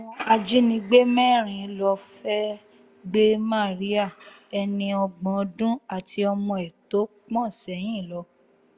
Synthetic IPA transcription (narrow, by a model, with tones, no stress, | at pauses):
a˧d͡ʒi˦nĩ˧ɡ͡be˦mɛ̃˦˨ɾ̃ĩ˨˧˦lɔ˧fɛ˦ | ɡ͡be˦ma˦˨ɾi˦a˦˨ | ɛ˧nĩ˧ɔ˧ɡ͡bɔ̃˨˧˦dũ˦a˨tʰi˧ɔ˧mɔ̃˧ɛ˨to˨˦k͡pɔ̃˦˨sɛ˨˦j̃ĩ˦˨lɔ˧˦